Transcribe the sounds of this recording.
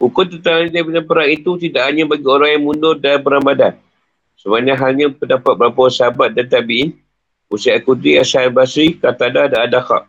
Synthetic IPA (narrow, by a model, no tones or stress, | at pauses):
ukʊnt̪ət̪aŋanidabinanpəɾaŋit̪ut̪idaʔhaɲãbaɡioɾaŋjaŋmundʊrdanpəɾaŋbadan | səbanãɦalɲãpəndapat̪̚bəɾapəsəɦabat̪̚dant̪abiʔɪn | usaakudɾiasanbasɾikat̪adadaadaka̰ʔ